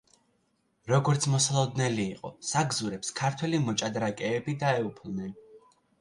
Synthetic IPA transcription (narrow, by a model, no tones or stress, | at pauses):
ɾɔɡɔɾt̪sʰmɔsalˠɔd̪nɛliːqʼɔsaɡzuɾɛpskʰaɾt̪ʰwɛlimɔt͡ʃʼad̪ɾakʼɛːbid̪aɛupʰlˠnɛn